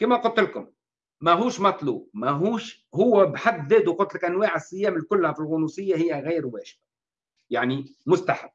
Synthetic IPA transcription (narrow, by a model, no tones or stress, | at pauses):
kiːmæqʊlt̪ːəlkʊm | mæɦuːʃmɑt̪ˤluːbmæɦuːʃ | hʊwːæbħad̪ːzæːd̪uqʊt̪ːˤlɪkʔænwaːʕasːɪjːæːmɪlkʊlːhæfilɣʊnusˤɨjːahɪjːæɣiːɾwæːʒba | jaʕnimʊst̪aħabː